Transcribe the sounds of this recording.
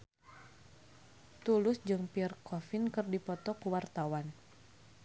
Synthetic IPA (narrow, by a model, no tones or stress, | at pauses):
t̪ulʊsd͡ʒɨŋpirkɔfɪnkɨrdipɔt̪ɔkuwart̪awan